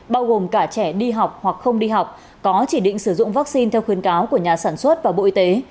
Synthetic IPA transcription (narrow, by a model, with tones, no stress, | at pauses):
ɓaː˧wɣo˨˩mkaː˧˩t͡ɕɛ˧˩ɗi˧ɦa˨˩wk͡p̚hwa˨˩k̚xə˧wŋ͡mɗi˧ɦa˨˩wk͡p̚ | kɔ˨˦t͡ɕi˧˩ɗḭ̈˧˨ŋ̟sɨ˧˩zʊ̰˧˨ŋ͡mvaː˦˥k̚si˧nt̪ʰɛ˧wxwi˨˦ənkaː˨˦wku˧˩əɲaː˨˩saː˧˩nswə˦˥t̚vaː˨˩ɓo̰˧˨ʔi˧t̪e˨˦